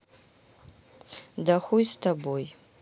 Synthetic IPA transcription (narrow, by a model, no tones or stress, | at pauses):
daxʷujstʰaboj